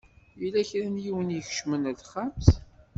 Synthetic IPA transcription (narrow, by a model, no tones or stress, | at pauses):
jilæçɾænjiwənjəçʃmənæðχamθ